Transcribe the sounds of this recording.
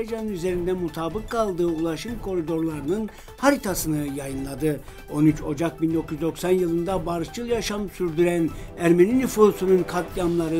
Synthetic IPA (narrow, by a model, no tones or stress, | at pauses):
ed͡ʒanɯnyze̞ɾind̪ɛmut̪ʰaːbɯkʰːalˠd̪ɯːulˠaʃɯmkʰo̞ɾid̪o̞ɾlˠaɾɯnɯn | haɾit̪ʰasɯnɯjajɯnlˠad̪ɯ | o̞nyt͡ʃo̞d͡ʒak̚bind̪o̞kʰyzd̪o̞ksanjɯlˠɯnd̪abaɾɯʃt͡ʃʰɯlˠjaʃamsyɾd̪yɾænæɾme̞ninifusununkʰat̪jamlˠaɾɯ